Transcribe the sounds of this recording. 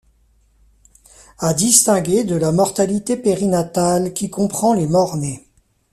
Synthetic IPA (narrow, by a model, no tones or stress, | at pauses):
ad̪ist̪ɛ̃ɡʲed̪əlamɔʁt̪alit̪epeʁinat̪alkʲikɔ̃pχɑ̃lemɔʁne